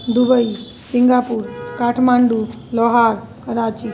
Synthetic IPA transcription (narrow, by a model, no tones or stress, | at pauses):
d̪ubəi | siŋɡaːpuːɾkaːʈʰmaːɳɖu | lɔɦaɾkɐɾaːt͡ʃi